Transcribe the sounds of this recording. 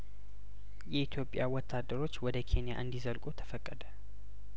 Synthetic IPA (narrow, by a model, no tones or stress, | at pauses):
jɛit̪ʰjo̞pʼːjawɔt̪ʰːad̪ːəɾo̞t͡ʃːwɔd̪əkʰe̞nija̰ʔɨnd̪izəlkʼut̪ʰə̥fəkʼːəd̪ə